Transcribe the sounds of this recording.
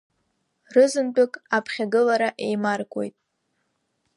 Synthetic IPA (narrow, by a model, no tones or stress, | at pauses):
rɨzɨndʼʊkʼapʰχʲaɡɨlaɾaʔe̞jmarɡʷʼo̞̰jtʼ